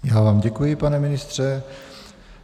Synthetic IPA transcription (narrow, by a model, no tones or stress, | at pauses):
jaːvaːmɟɛkujɪpanɛmɪnɪst̪r̝̥ɛ